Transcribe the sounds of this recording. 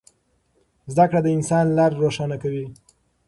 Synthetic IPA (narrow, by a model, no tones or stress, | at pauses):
zd̪akɽad̪əɪnsɑnlaɾːoʃɑnakawi